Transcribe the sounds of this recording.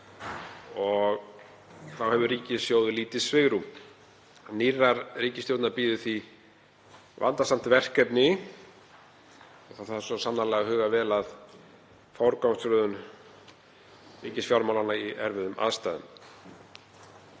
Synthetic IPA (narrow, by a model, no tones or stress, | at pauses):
ɔɣ | θawhɛvʏɾriːcɪðsjoːwðʏliːt̪ɪsvɪɣɾu | aniraɾriːcɪst̪jowt̪naɾpiːðɪθi | va̰nt̪asam̥t̪vɛr̥kɛpnɪ | ɔɣθaθaðsɔsamnalɛːɣahʏːɣavɛːlað | fawɾkawmst̪ɾœːðʏn | riːcɪsfjawɾmawlanːaiɛɾvɪðʏmʔa̰ðst̪aːðʏ̰nm